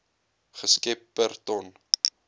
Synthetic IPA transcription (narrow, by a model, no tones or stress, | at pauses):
χəskɛpːərt̪ɔn